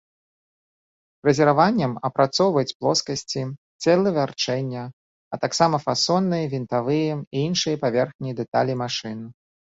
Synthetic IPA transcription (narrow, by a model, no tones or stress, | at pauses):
ɾɐzʲɛɾavanʲːɐmɐpɾat̪sɔwvɐjɛt͡sʲplˠɔskɐsʲt͡sʲi | t͡sʲɛlˠɐvʲart͡ʂɛnʲːɐ | ɐt̪aksamɐfasɔnːɨjɐvʲint̪avɨjɛiinʂɨjɐpavʲɛrxnʲijd̪ɛt̪a̰lʲimaʂɨnɨ